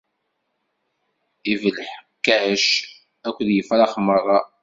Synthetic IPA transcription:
ivələħkːæʕəʃ | ækʷːðjəfæɾˤɑχəmːəɾˤðˤɑ

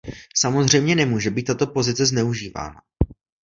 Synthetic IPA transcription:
samo̞zr̝ɛjmɲɛnɛmuːʒɛbiːt̪ːat̪o̞po̞zɪt͡sɛznɛuʒiːva̰ːna̰

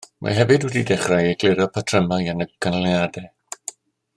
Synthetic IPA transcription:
mʔa̰ɦɛvɨdwɛdidɛχrajeɡlɪɾɔpʰatʰrəmaanəɡ̥ənlˠjadɛ

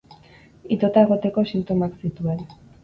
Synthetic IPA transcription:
it̪o̞t̪ae̞ɣ̞o̞t̪e̞ko̞sint̪o̞maksit̪ue̞n

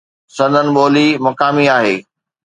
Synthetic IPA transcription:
sɐ̃nd̪ənɪ̆ɓoːlimɐkaːmiaːɦeː

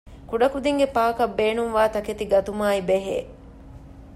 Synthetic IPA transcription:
kuɖɐkud̪iŋɡepaːkɐbːeːnuŋʋaːt̪ɐket̪iɡɐt̪umaːibeɦḛː

